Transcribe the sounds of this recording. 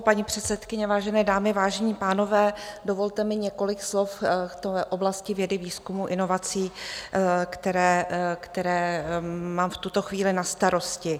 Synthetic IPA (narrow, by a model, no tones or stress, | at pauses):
paɲipr̥ɛt̪sɛt̪kɪɲɛvaːʒɛnɛːdaːmɪvaːʒɛɲiːpaːno̞vɛːdo̞vo̞lt̪ɛmɪɲɛko̞lɪkslo̞ft̪oʔoblascɪvjɛdɪviːskumuʔɪno̞vat͡siː | kt̪ɛɾɛːkt̪ɛɾɛː | maːmft̪ut̪o̞xviːlɪnast̪aɾo̞scɪ